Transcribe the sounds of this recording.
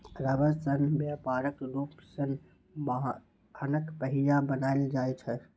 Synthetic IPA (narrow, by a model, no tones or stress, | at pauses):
ɾəʋəɾsənbjapaːɾəkɾuːpsən | bɦ | ənəkpəɦijabənaːɪld͡ʒaːjt͡ʃʰɛ